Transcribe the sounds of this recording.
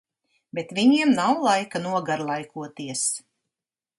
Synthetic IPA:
bet̪vʲiɲiɛmnawlˠajkanuɔɡaɾlˠajkuɔt̪iɛs

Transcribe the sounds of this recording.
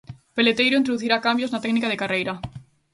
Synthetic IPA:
pelet̪ejɾoint̪ɾoðuθiɾakambjoznat̪ɛknikaðekarejɾa

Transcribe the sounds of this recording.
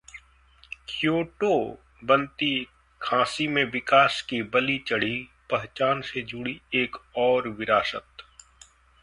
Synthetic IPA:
kʰjoːʈo | bɐ̃nt̪i | kʰãːsimẽʋɪkaːskibɐlit͡ʃɐɽ̤ipɐɦt͡ʃaːnsed͡ʒʊɽieːkɔːɾʋɪɾaːʃət̪

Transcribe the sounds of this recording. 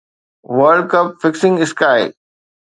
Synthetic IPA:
ʋəɾɖ̚kɐpfɪksɪ̃ŋɡɪskaːɪ

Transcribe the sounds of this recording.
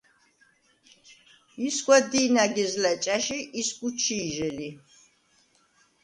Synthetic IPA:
iskwad̪iːnaɡizlat͡ʃʼaʃiʔisɡut͡ʃʰiːʒɛli

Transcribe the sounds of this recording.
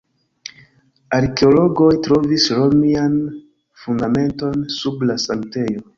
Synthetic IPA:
aɾke̞olo̞ɡo̞jtɾo̞visɾo̞mian | fundame̞nto̞nsublasaŋte̞jo̞

